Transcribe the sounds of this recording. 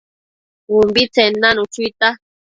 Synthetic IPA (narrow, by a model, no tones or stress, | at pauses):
umbit͡senãnũt͡ʃut̪a